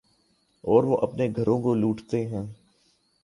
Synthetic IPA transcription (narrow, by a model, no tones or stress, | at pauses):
ɔːɾʋoʔɐpneɡʱɐɾõkoluːʈt̪eɦɛ̃ː